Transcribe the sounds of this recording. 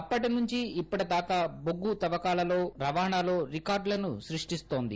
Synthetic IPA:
ɐpːɐʈinuɲt͡ʃiipːɐʈɐd̪aːkaːboɡːut̪ɐʋɐkaːlɐlo̞ːɾɐʋaːɳaːlo̞ːɾikaːɾɖlɐnuʃɾiʂʈist̪o̞ːnd̪ḭ

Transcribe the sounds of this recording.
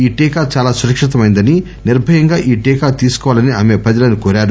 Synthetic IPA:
iːʈiːkaːt͡ʃaːlaːsuɾɐkʂit̪̬ɐmɐjnd̪ɐni | niɾbʱɐjɐŋɡaːʔiːʈiːkaːt̪iːsu̥kɔːʋaːlɐniaːmeːpɾɐd͡ʒɐlɐnukɔːɾaːɾu

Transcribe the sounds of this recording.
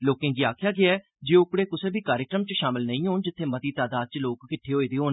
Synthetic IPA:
loːkẽːd͡ʒiːaːkʰjaːɡɪaːɛː | d͡ʒeːʊkɽeːkʊseːbʱiːkaːɾɪkɾəmt͡ʃʃaːmɪlnəĩːɦoːnd͡ʒɪt̪ʰːeːmət̪iːt̪aːd̪aːd̪̚t͡ʃloːkːɪʈʰːeːɦoːiːd̪eːɦoːn

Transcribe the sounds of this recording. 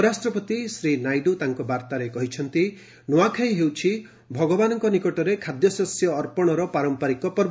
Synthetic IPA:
ɾasʈɾɔpɔt̪isɾinajɖut̪aŋkɔbaɾt̪aɾekɔɦit͡ʃʰɔnt̪i | nuwakʰajɦewt͡ʃʰi | bʱɔɡɔbanɔŋkɔnikɔʈɔɾekʰad̪jɔsɔsjɔːɾpɔɽ̃ɔɾɔpaɾɔmpaɾikɔpɔɾb

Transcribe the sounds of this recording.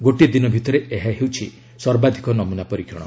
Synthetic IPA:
ɡoʈid̪inɔbʱit̪ɔɾeeɦaɦewt͡ʃʰi | sɔɾbad̪ʱikɔnɔmunapɔɾikʰiɽ̃ɔ̰

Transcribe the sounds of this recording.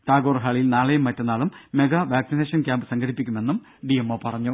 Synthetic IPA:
t̪aːɡoːrɦaːɭijilnaːɭejumːɐtːɐnːaːɭumːe̞ɡɐʋaːksine̞ːʂɐnkʲaːmbɨsɐŋɡɐɽipːikʲːume̞nːum | ɖijemːoːpɐrɐɲːu

